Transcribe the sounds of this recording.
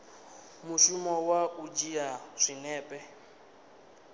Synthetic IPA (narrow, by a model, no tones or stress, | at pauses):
muʃumɔwaʔud͡ʒiaʂʷinɛːpʼɛ